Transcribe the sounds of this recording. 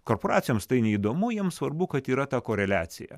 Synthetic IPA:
koːɾpoːɾɑːt̪sʲjoːmst̪ɐɪnʲɛiːd̪oːmʊjiɛmsʋɐɾbʊkɐt̪iːɾɐt̪ɑkoːɾʲɛlʲæːt̪sʲɪ̰jæ̰

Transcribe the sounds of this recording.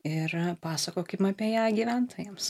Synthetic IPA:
ɪrpɑːsɐkoːkɐɪmɐpʲiɛjæːɡʲiːʋʲænt̪oːjɛms

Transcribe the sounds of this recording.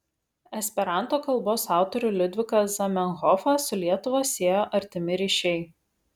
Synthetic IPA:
ɛsʲpʲɛɾɑˑnt̪oːkɐlˠboːsɑˑʊt̪ɔɾʲuˑlʲɪd̪ʲʋʲɪkɐsɐmʲɛnɣɔfɐsʊlʲiɛt̪ʊʋɐsʲeːjoːʔɐɾʲt̪ʲɪmʲɪɾʲiʃʲɛɪ

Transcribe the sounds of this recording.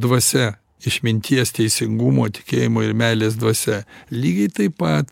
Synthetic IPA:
d̪ʋɐsʲɛ | ɪʃʲmʲɪnʲt̪ʲiɛst̪ʲɛɪsʲɪŋɡuːmoːt̪ʲɪ̥kʲeːjɪmoːɪɾmʲæːlʲeːs̬d̪ʋɐsʲɛlʲiːɡʲɛɪt̪ɐɪpɐt̪

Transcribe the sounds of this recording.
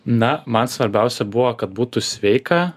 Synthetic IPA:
nɐmɐnsʋɐɾʲbʲɛˑʊsʲɛbʊʋɐkɐt̪̚buːt̪ʊsʲʋʲɛɪkɐ

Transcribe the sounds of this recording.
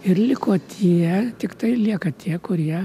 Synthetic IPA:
ɪɾlʲɪkoːt̪ʲʰiɛt̪ʲɪkt̪ɐɪlʲiɛkɐt̪ʲiɛkʊɾʲiɛ

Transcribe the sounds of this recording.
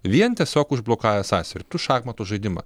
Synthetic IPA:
ʋʲiɛnt̪ʲiɛsʲoːkʊʒblˠoːkɑːjɛsɑːsʲɛɾʲɪt̪ʊʃɑːɡmɐt̪oːʒɐɪd̪ʲɪmɐ̰

